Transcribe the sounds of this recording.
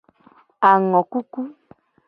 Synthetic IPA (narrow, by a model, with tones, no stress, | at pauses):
a˨ŋɔ˨ku˦ku˦